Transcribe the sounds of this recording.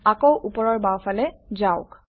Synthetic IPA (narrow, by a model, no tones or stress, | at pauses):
akowʔupɔɹɔɹbawfalɛzaʊk